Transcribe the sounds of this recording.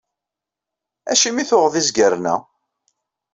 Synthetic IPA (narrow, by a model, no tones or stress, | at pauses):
æʃimiθʊʁðizɡəɾnæ̰